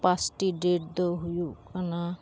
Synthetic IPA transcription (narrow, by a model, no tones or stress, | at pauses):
pasʈiɖeʈ̚d̪ɔɦujukana